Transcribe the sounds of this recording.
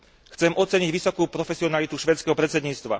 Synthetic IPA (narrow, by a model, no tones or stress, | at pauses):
xt͡sɛmʔɔt̪t͡sɛɲiɟʋisɔkuːpɾɔfɛsiɔnalit̪uʃʋɛːt͡skɛɦɔpɾɛt͡sɛd̪ɲiːt͡st̪ʋa̰